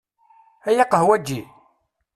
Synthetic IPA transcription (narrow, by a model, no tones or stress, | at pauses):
æjɑqːəhwæd͡ʒːi